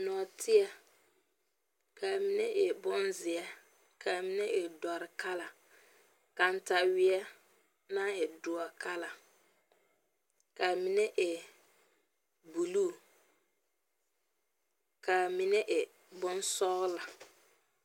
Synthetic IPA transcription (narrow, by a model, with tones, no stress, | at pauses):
nɔ˨tʰɪ˦ɛ˦ | ka˨mi˨nɛ˦ʔɪ˨bʊ˦nzɪ˨ɛ˦ | kʰa˨mi˦nɛ˦ʔɪ˨dɔ˨ɾɪ˨ka˦la˨ | ka˨n̩˦ta˨wɪ˦ɛ˦ | na˦ɪ˨dʊ˨ɔ˨ka˦la˨ | ka˨mi˨nɛ˦ʔɪ˨ | bu˨luː˦˨ | ka˨mɪ˦nɛ˦ʔɪ˨ | bʊ˦n˦sɔ˦ɣla˨